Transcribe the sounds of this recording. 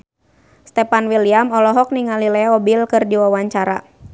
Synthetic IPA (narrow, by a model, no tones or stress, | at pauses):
st̪ɛpanwiliamɔlɔɦɔk̚niŋalilɛɔbilkɨrdiwawaɲt͡ʃaɾa̰